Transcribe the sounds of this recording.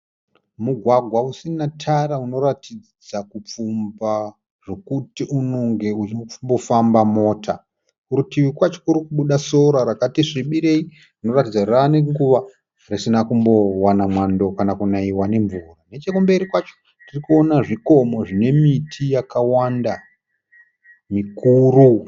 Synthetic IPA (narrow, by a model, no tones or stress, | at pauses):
muɡʱwaɡʱwausinatʰaɾauno̞ɾatʰid͡zd͡zakup͡fumba | ʐ̥o̞kutiʔunoŋɡe̞uimbo̞fambamo̞ːtʰa | kuɾutiwikwat͡ʃo̥kuɾikuɓuɗaso̞ɾaɾakatiʂiɓiɾe̞i | rino̞ratid͡zaraːneŋɡuʋa | risinakumbo̞wanamwando̞kanakunaiwane̞ɱvurane̞t͡ʃekumbeɾikwat͡ʃo̥ | tirikuo̞naʐiko̞mo̞ʐine̞mitʰijakawanda | mikuɾu